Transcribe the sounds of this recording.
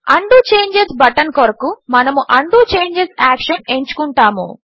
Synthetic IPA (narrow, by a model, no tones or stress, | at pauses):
ɐɳɖuːt͡ʃeːɲd͡ʒesbɐʈɐnkoɾɐkumɐnɐmuʔɐɳɖuːt͡ʃe̞ːɲd͡ʒesaːkʂɐne̞ɲt͡ʃu̥kuɳʈaːmṵ